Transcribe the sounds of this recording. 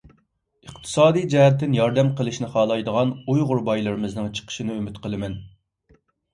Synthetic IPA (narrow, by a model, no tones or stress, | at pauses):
əqt̪ʰɨ̥sɑːd̪ijd͡ʒɛɦɛt̪ʰːɪnjɑɾd̪ɛmqəlˠɨʃnɪχɑːlˠɑjd̪əʁɑnujʁʊɾbɑjlˠɨɾɨmɨznɨŋt͡ʃʰə̥qʰə̥ʃinɪymɪt̪qʰəlˠɨmɛn